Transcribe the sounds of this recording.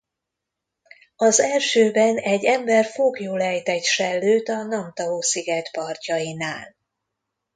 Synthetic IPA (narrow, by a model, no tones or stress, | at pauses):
ɒzɛlʃøːbɛnɛɟːɛmbɛrfoɡjoːlɛjt̪ɛt̪ʃɛlːøːt̪ɒnɒmt̪ɒvoːsiɡɛt̪pɒrcɒjinaːl